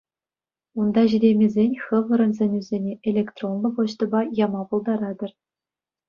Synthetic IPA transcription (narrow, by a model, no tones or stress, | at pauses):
und̪ɑʑiɾʲemʲezʲenʲxɤ̆ʋɤ̆ɾɤ̆nzʲenʲyzʲenʲeʔelʲekt̪ronbɤ̆pŏɕt̪ɤ̆bɑjɑmɑpulˠd̪ɑɾɑd̪ɤ̆r